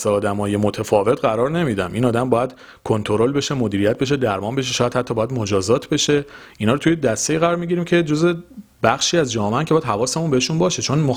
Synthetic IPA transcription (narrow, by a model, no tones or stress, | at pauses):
seɒːd̪æmɒːjemo̞t̪ʰefɒːve̞t̪ʰɢæɾɒːɾne̞miːd̪æmʔinɒːd̪æmbɒːjæd̪̥ | kʰo̞nt̪ʰo̞ɾo̞lbe̞ʃemod̪iːɾijæt̪̚be̞ʃ̬ed̪æɾmɒːnbe̞ʃ̬eʃɔːjæd̪hæt̪ʰːɒːbɒːjæd̪mo̞d͡ʒɒːzɒːt̪ʰbe̞ʃe̞ʔinɒːɾot̪ʰujed̪æst̪eiːɣæɾɒːɾmiɟiɾiːmcʰe̞d͡ʒoze̞bæxʃiːæzd͡ʒɒːmeæncʰejæd̪ɦhævɒːsemunbeeʃunbɒːʃe̞t͡ʃʰo̞nmo